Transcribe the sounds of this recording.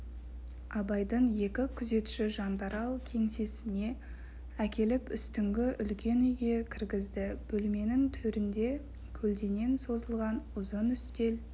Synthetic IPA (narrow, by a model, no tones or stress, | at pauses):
ɑbɑjd̪əɴje̞kʲɪkʲʰʏze̞t̪ʃɪʒɑnd̪ɑɾɑlˠkʲʰe̞ŋsesɪne̞ | ækʲe̞lɪpʏst̪ɪŋɡʲɪʔʏlkʲe̞nʏjɡʲe̞kʲʰɪɾɡʲɪzd̪ɪb̥ɵlme̞nɪŋt̪ʰɵɾɪnd̪e̞ | kʲʰɵld̪e̞ne̞nso̞zəlˠʁɑnʊzənʏst̪e̞l